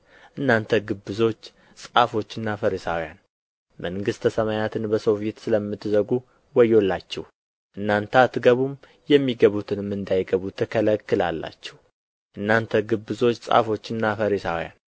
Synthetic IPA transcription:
ʔɨnːant̪ʰəɡɨbːɨzo̞t͡ʃː | sʼafo̞t͡ʃːɨnːafəɾisa̰wja̰n | mʔəŋɡɨst̪ʰəsəmajat̪ʰɨnbəsowfet̪sɨləmːɨt̪ːɨzəɡu | wɔjːo̞lːat͡ʃːɛ̰w | ʔɨnːant̪ʰat̪ːɨɡəβum | jɛmːiɡəβut̪ʰɨnɨmɨnd̪ajɡəβut̪ʰəkʰələkːɨla̰lːa̰t͡ʃːɛw | ʔɨnːant̪ʰəɡɨbːɨzo̞t͡ʃːsʼa̰fo̞t͡ʃːɨnːafəɾisawja̰n

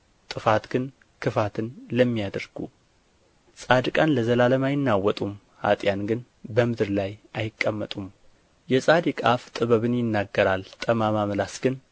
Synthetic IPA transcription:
t̪ʼɨfat̪ɡɨn | kʰɨfat̪ʰɨnləmːijad̪əɾɡ̥u | sʼad̪ɨkʼanləzəlaləmajɪnːawɔt̪ʼum | ha̰t̪ʼjanɡɨn | bəmɨd̪ɨɾlajʔajɪkʼːəmːət̪ʼum | jɛsʼad̪ɨkʼaft̪ʼɨβəβɨnjɪnːaɡːəɾalt̪ʼəmamamlasɡ̥ɨn

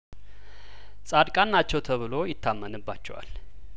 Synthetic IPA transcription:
sʼad̪kʼanːat͡ʃːɛwt̪ʰəβɨlo̞jɪt̪ʰːamːənɨbːat͡ʃːɛwa̰l

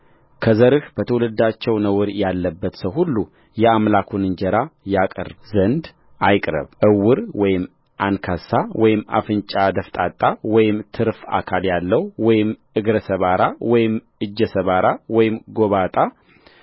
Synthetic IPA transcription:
kʰəzəɾɨhb̥ət̪ʰəwulɨd̪at͡ʃːɛwnəwɾjalːəbːət̪səwhulːu | jɛamlakʰunɨɲd͡ʒəɾajakʼə̰rzənd̪ | ajkʼɾə̰βʔɨwːɨɾwɔjɪm | ʔankʰasawɔjɪma̰fɨnt͡ʃʼad̪əft̪ʼat̪ʼːawɔjɪmt̪ʰɨɾfa̰kʰaljalːəhwɔjɪmʔɨɡɾəsəβaɾawɔjɪm | ɨd͡ʒːɛsəβaɾawɔjɪmɡo̞βat̪ʼa

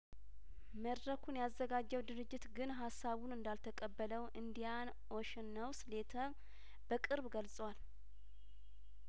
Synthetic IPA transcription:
məd̪ɾəkʰunjazːəɡad͡ʒːɛwd̪ɨɾɨd͡ʒːɪt̪ɡɨnɦasːaβunɨnd̪alt̪ʰəkʼəbːələwʔɨnd̪ijan | ʔɔʃɪnːəwsɨle̞t̪ʰə | b̥əkʼɨɾbɡəlsʼwal

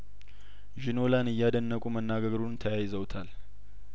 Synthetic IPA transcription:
ʒinolanɨjːad̪ənːəkʼumənːaɡəɡɾunt̪ʰəjajɪzəwt̪ʰal

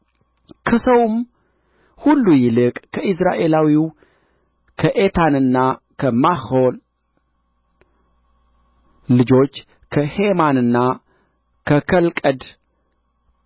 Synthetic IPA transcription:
kʰəsəwm | hulːujɪlɨkʼkʰəʔɨs̬ɾaʔe̞lawiw | kʰəʔe̞t̪ʰanɨnːa | kʰəmaho̞l | lɨd͡ʒo̞t͡ʃː | kʰəhe̞manɨnːa | kʰəkʰəlkʼəd̪

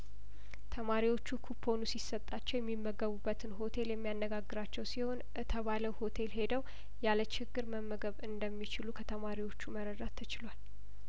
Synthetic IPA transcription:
t̪ʰəmaɾiwo̞t͡ʃːukʰupʰːo̞nusisət̪ʼːat͡ʃːɛwjɛmːimːəɡəβubːət̪ʰɨnɦo̞t̪ʰe̞ljɛmːijanːəɡaɡːɨɾat͡ʃːɛwsiho̞n | t̪ʰəβaləwho̞t̪ʰe̞lɦe̞d̪əw | jalət͡ʃɪɡːɨɾməmːəɡəβɨnd̪əmːit͡ʃɪlukʰət̪ʰəmaɾiwo̞t͡ʃːuməɾəd̪at̪ʰːət͡ʃɪlwal

